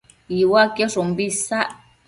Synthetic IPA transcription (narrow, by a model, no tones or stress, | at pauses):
jiwakerumbisa